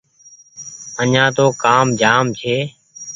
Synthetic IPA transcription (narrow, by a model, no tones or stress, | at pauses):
əɲãːt̪oːkaːmd͡ʒaːmt͡ʃʰeː